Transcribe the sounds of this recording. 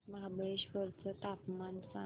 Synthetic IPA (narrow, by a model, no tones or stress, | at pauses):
məɦabəeɕʋəɾt͡sət̪apmansa